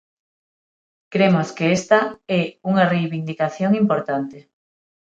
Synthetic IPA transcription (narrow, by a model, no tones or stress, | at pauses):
kɾemoskeest̪ɐɛuŋarejβind̪ikaθjoŋimpoɾt̪ant̪e